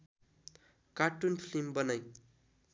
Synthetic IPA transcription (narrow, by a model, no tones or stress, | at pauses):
kaʈunpʰlimbʌnʌj